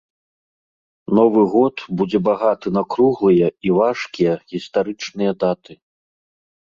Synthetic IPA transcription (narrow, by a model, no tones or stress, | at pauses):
nɔvɨɣɔt̪bud͡zʲɛbaɣat̪ɨnakɾuɣlˠɨjɐivaʂkʲijɛɣʲist̪aɾɨt͡ʂnɨjɐd̪at̪ɨ